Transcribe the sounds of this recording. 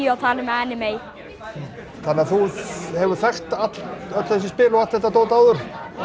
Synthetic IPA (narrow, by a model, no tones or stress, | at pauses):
awt̪ʰaːlɪmɛɛnːɪmej | θanːɪaθuhɛvʏɾ̥θɛxt̪at̪lœt̪l̥θɛs̬ɪspɪːlɔat̪θɛht̪at̪oːwt̪aːwðʏɾ̥